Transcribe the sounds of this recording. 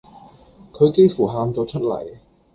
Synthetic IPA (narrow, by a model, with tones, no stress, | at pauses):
kʰɵ˨˧ɥke˥jfuː˨˩ɦaː˨˧mt͡sɔː˨˧t͡ʃʰɵ˥t̚lɐ̰˨˩j